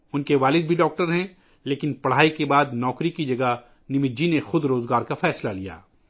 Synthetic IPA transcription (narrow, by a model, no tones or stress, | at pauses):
ʊnkeʋaːlɪd̪̚bʱiɖɔːk̚ʈəɾɦɛ̃ | leːkɪnpɐɽ̤aːikebaːd̪nɔːkɾikid͡ʒɐɡə | nɪmɪd͡ʒinexʊd̪ɾoːzɡaːɾkafɛːslalija̰ː